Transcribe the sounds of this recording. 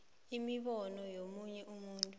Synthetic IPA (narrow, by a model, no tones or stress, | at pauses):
imiɓɔnɔjomuɲɛʔumuːntʼu